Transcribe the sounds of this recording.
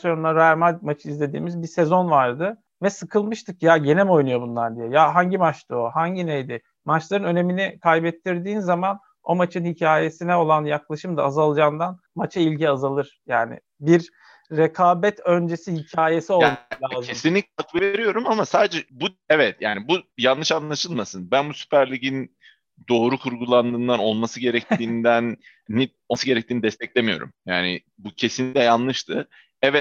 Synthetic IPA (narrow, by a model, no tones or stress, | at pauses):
sonnˠaɾamamat͡ʃʰɯizlʲe̞d̪ḭːmizbise̞zo̞nvaɾd̪ɯ | vɛsɯkʰɯlˠmɯʃt̪ʰɯkjaɟe̞nɛmo̞jnujo̞bunlˠaɾd̪ijejaɦaɲɟimat͡ʃt̪ʰɯohaɲɟinejd̪ɪ | mat͡ʃlˠaɾɯnø̞ne̞minikʰajbɛt̪ʰːiɾd̪iːnzaman | o̞mat͡ʃʰɯnhicʰaːje̞sinɛo̞lˠanjaklˠaʃɯmd̪aːzalˠd͡ʒaːnd̪an | mat͡ʃʰailʲɟiazalˠɯɾ̥jaːnɪ̰ | biɾː | ekʰaːbɛt̪ʰø̞nd͡ʒe̞sihicʰaːje̞sio̞lˠmalʲaːzʰesinlʲicʲakvɯveɾijo̞ɾumamasaːd̪ed͡ʒɛbu | ɛvɛt̪jaːnibujanːɯʃanlˠaʃɯlˠmasɯnbænbusy̥pʰæɾlʲiɟin | d̪o̞ːɾukʰuɾɡulˠand̪ɯːnd̪ano̞lˠmasɯɟe̞ɾɛc̚t̪iːnd̪ænː | i | osɯɟe̞ɾɛc̚t̪ʰiːnid̪ɛst̪ʰɛclʲemijo̞̰ɾṵmjaːnɪ̰ | bucʰe̞sinʲiclʲɛjanlˠɯʃt̪ʰɯ | ɛvɛt̪̚